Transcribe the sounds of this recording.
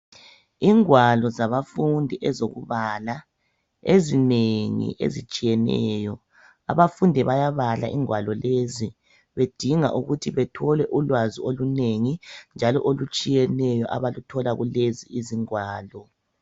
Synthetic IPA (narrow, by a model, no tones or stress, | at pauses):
iŋwalɔzaβafundʱiʔɛzoɣṵβala | ezineŋḭʔḛzit͡ʃʼijɛnɛ̰jɔ | a̰βafundʱɛβajaβala̰ʔiŋwalɔlezi | βed̥ʱiŋa̰ʔuɣutʰiβɛtʰɔlɛʔulwazioluneŋind͡ʒʱalɔʔolut͡ʃʼijɛnɛjɔʔaβalutʰɔlaɣuleziiziŋwaːlɔ